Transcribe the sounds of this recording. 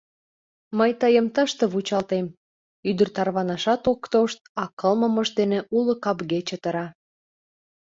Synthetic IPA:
məjt̪əjəmt̪əʃt̪ə̆βut͡ɕɑlt̪em | yd̪ərt̪ɑrβɑnɑʃɑt̪okt̪oʃt̪̚ɑkəlməməʒd̪eneʔulokɑpɣet͡ɕet̪əɾɑ

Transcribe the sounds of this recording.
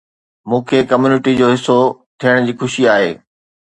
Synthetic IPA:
mũːkʰekɐmjuːnɪʈid͡ʑoːɦɪsːot̪ʰiəɽ̃d͡ʑiːxʊʃiaːɦḛː

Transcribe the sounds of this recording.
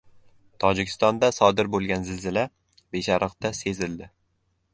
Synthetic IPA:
t̪ʰɒd͡ʒɪkʲʰɪ̥st̪ɒnd̪asɒd̪ɪɾbolˠɡʲanzɪlzɪla | beʃaɾɨqt̪ase̞zɪld̪ɪ

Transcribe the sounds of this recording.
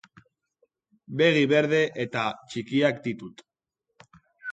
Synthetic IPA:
be̞ɣ̞iβe̞ɾðe̞ʔet̪at͡ʃikiakd̪it̪ut̪

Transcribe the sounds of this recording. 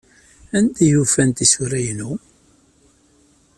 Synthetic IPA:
ænt̪ijufænt̪isuɾæjnu

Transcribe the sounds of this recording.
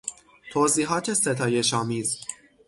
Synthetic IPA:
t̪ʰoːziːɦɒːt̪ʰe̞set̪ʰɒːjeʃɒːmiːz

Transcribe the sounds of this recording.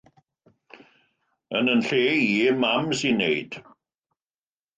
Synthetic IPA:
ənənɬeːiːmamsinːejd̥

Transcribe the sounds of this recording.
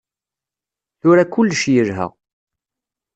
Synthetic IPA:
θʊɾakːʊlːʃjəɾɦə̰ʁ

